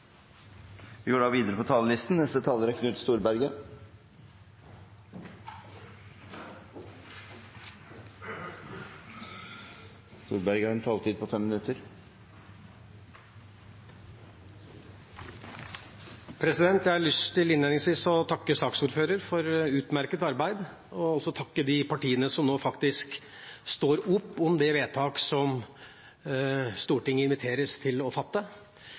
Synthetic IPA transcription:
ʋɪɡøːɖɑːʋiːd̪əɾəpʰɔt̪ʰɑːləlɪst̪n̩nɛst̪ət̪ʰɑːləɾæɾkʰnʉːt̪st̪uːɾbæɾɡə | st̪uːɾbæɾɡəhɑɾɛnt̪ʰɑːlt̪ʰiːd̪̚pʰɔfɛmːɪnʉt̪əɾ | pʰɾɛsɪd̪ɛnt̪jæɪhɑɭʏst̪ʰɪlɪnːeːnɪŋsʋiːsɔt̪ʰɑkːəsɑːksuːɾføːɾəɾfɔɾʉːt̪mæɾkət̪ɑɾbæɪd̪ | ɔɔlsɔt̪ʰɑkːəd̪ɪpʰɑʈiːənəsɔmnoːfɑkt̪ɪsk | st̪oːɾʊpːɔmd̪ɛʋeːt̪ʰɑːksɔm | st̪uːʈɪŋːəɪnʋɪt̪ʰeːɾəst̪ʰɪlɔfɑt̪ːə

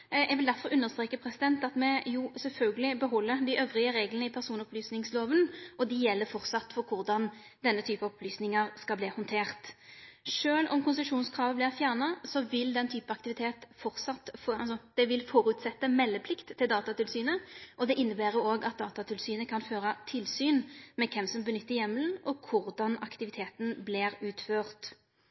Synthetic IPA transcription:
ɛɡʋɪld̪æɾfɔɾʉnːəʁst̪ʁeːkəpʰɾɛsɪd̪ɛnt̪ɑt̪mɛjusɛlfœlɡəlɪbəɦɔlːəɾd̪ɪʔøːʋʁɪəʁeːɡlənəɪpʰæʁsuːnəɔplyːsnɪŋsloːʋənʔɔd̪ɪjɛlːəfɔʁt̪sɑt̪ːfɔɾkʰʊʁd̪ɑn | d̪ɛnːət̪ʰyːpəɔpʰlyːsnɪŋəʁskɑlbliːhɔnt̪ʰeːʁt̪ʂøːlʔɔ̰mkʰʊnsəʂuːnskʰʁɑːʋəblɪʁfjæːʁnɑsɔʋɪld̪ɛnt̪ʰyːpəɑkt̪ɪʋɪt̪ʰeːt̪fɔʁt̪sɑt̪fɑsɔd̪̥ɛʋɪlfɔɾʉt̪sɛt̪ːəmɛlːəpʰlɪkt̪ʰːɪld̪ɑːt̪ɑt̪ɪlsyːnəʔɔd̪ɛʔɪnːəbæːɾəoːɡɑt̪̚d̪ɑːt̪ɑt̪ʰɪlsyːnəkʰɑnføːʁɑt̪ʰɪlsyːnmɛkʰɛmsɔmbənʏt̪ːəɾjɛmːəlnʔɔkʰʊʁd̪ɑnɑ̰kt̪ɪʋɪt̪ʰeːt̪nblɪɾʉːt̪føːʁt̪

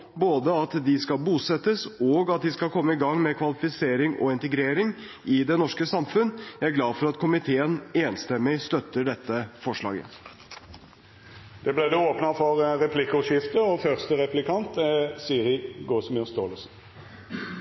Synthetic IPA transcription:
boːd̪əɑt̪d̪ɪskɑlbuːsɛt̪ːəsɔɡɑt̪̚d̪ɪskɑlkʰɔmːəɪɡɑŋːmɛkʰʋɑlɪfɪseːɾɪŋɔ̰ɪnt̪əɡɾeːɾɪŋ | ɪd̪ɛnɔʂkəsɑmfʉnjæɪæɾɡlɑːd̪fɔɾɑt̪kʰʊmɪt̪ʰeːəneːnst̪ɛmːɪst̪œt̪ːəɖɛt̪ːəfɔʂlɑ̰ːɡə̰ | d̪̥ɛblæːd̪ɛoːpnɑfɔɾɾɛpʰlɪkːɔʂɪft̪əɔfœʁst̪əɾɛplɪkʰɑnt̪siːəɾɪɡoːsmɪst̪oːləsn̩

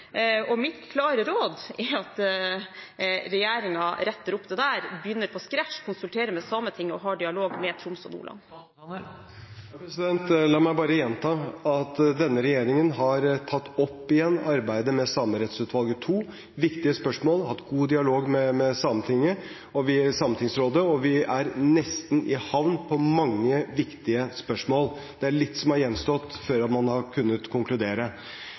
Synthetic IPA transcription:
ɔmɪt̪kʰlɑːɾəɾoːd̪ɪɑt̪ | ɾɛjeːɾɪŋɑɾɛt̪ːəɾʊpd̪ɛd̪æːɾbjʏnːəɾpʰɔskɾæʈʂkʰʊnsʉlt̪ʰeːɾəmɛsɑmət̪ʰɪŋːɔɦɑːɖɪɑloːɡmɛt̪ʰɾʊmsɔ̰nṵːlɑ̰n | pɛsɪd̪ɛnt̪lɑːmæɪbɑːɾəjɛnt̪ʰɑːɑt̪d̪ɛnːəɾɛjeːɾɪŋənɦɑɾt̪ʰɑt̪ːɔpːɪjɛnːɑɾbæɪd̪əmɛsɑmɾɛt̪sʉːt̪ʋɑlˠɡət̪ʰuː | ʋɪkt̪ɪəspœʂmoːlhɑt̪ɡuːd̪ɪɑloːɡmɛmɛsɑmət̪ʰɪŋːə | ɔʋɪsɑmənt̪ʰɪŋsɾoːd̪əɔʋɪæɾnɛst̪n̩ʔɪhɑʋnpʰɔmɑŋːəʋɪkt̪ɪəspœʂmoːl | d̪̥ɛæɭɪt̪ːsɔmhɑɾjɛnːst̪ɔt̪ːføːɾɑt̪mɑnhɑɾkʰʉnːət̪kʰʊŋkʰlʉd̪eːɾə

